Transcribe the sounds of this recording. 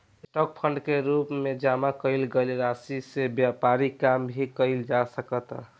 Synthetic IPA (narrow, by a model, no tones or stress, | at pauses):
sʈɔk̚pʰəɳɖkeɾupmed͡ʒamakəɪlɡelɾasisebjapaɾikambʱikəɪld͡ʒasəkət̪